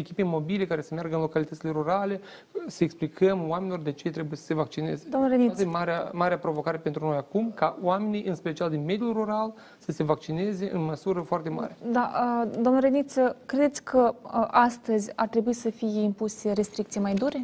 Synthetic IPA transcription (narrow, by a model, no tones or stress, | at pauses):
ekʲipemo̞bile̞kaɾe̞səmearɡəɨnlo̞kalit̪ət̪sile̞ɾuɾale̞ | səeksplikʰəmwamenilord̪e̞t͡ʃet̪ɾe̞bujesə̥se̞vakt͡ʃine̞̰zed̪oamnəɾenimaɾeamaɾeapɾo̞vo̞kaɾe̞pent̪ɾuno̞jakumkawame̞nijʔɨnspe̞t͡ʃiald̪inme̞d̪juruɾal | səse̞vak̚t͡ʃine̞ze̞ʔɨ̰nməsuɾəfoart̪e̞ma̰ɾed̪aəd̪oamnəɾenit̪səkɾe̞d̪e̞t̪sʲkʰəʔast̪əzʲart̪ɾe̞buisəfijeimpuseɾe̞st̪ɾikt̪sijmajd̪uɾe̞